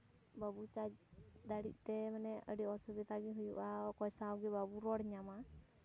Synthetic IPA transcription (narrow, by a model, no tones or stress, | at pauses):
babut͡ʃad͡ʒd̪aɽḭt̚ˀt̪ɛmanɛə̰ɖiɔsubit̪aɡiɦujuʔakɔjsaɡɛbabuɾɔɽɲama